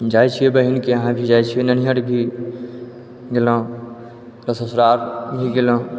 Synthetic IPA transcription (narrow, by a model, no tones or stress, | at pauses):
d͡ʒajt͡ʃʰijebəɦinkeəɦãbʱid͡ʒajt͡ʃʰijenənijəʈbʱi | ɡelə̃ | ɾəsəsɾaɾbʱiɡelə̃